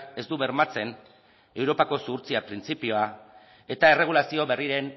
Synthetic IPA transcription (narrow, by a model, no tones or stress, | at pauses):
ke̞zd̪uβe̞ɾmat͡se̞n | e̞wɾo̞pako̞suɾt͡siapɾint͡sipio̞a | e̞t̪aere̞ɣ̞ulasio̞βe̞riɾe̞n